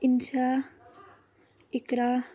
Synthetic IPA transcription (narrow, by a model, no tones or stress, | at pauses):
int͡ʃʰa | ikɾa